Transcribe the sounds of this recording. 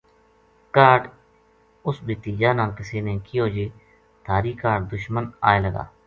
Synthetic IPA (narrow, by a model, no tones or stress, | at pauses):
kaːɖ | ʊsbʱiːt̪iːd͡ʒaːnaːkɪsiːneːkɪjoːd͡ʒeː | t̪ʰaːɾiːkaːʈd̪ʊʃməna̰ːeːləɡa̰ː